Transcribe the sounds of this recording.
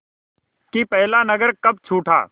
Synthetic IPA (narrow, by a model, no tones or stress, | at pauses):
kipɛɦlanɐɡəɾkɐb̚t͡ʃʰuːʈʰa̰ː